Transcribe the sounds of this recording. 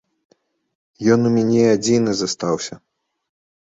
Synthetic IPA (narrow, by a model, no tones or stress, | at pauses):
jɔnumʲanʲɛad͡zʲinɨzast̪awsʲɐ